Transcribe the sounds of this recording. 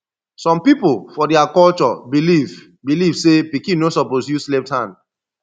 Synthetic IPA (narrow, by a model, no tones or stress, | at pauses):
sɔ̃mpipolfɔdɛakɔlt͡ʃɔbiliv | bilivsepikĩnosɔpozjuslɛp̚thãn